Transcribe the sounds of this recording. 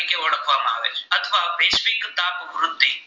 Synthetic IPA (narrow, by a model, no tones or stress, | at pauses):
keʋɐɽəkʰʋaːmã̰ːʋḛːt͡ʃʰɐt̪ʰʋaːbeːsfikɪt̪aːbɾʊt̪ːiː